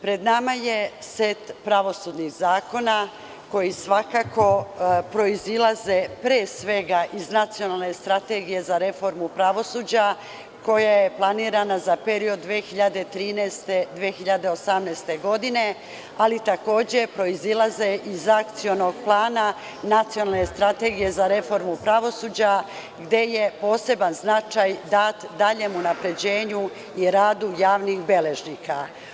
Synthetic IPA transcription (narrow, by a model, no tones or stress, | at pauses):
pɾe̞d̪namajeset̪pɾaʋo̞sud̪niɣzaːko̞na | ko̞jisʋakako̞pɾo̞izilˠaze̞pɾeːsʋe̞ɡaʔiznat̪sijonalˠne̞st̪ɾat̪e̞ɡije̞zaɾe̞fo̞ɾmupɾaʋo̞suːd͡ʑa | ko̞jaje̞plˠaniːɾanazapeɾiod̪ːʋeːxiʎad̪e̞t̪ɾiːnɛst̪ed̪ʋeːxiʎad̪e̞o̞samnɛːst̪e̞ɡo̞d̪ine̞ | alit̪ako̞ːd͡ʑe̞pɾo̞izilˠazeʔizakt̪sio̞no̞ɡplˠaːna | nat̪sijo̞nalne̞st̪ɾat̪e̞ːɡije̞zaɾe̞fo̞ɾmupɾaʋo̞suːd͡ʑa | ɡd̪je̞je̞po̞ːse̞banznat͡ʃajd̪at̪d̪aʎe̞munapɾe̞d͡ʑe̞ːɲu | iɾaːd̪ujaːʋnixbe̞le̞ʒniːka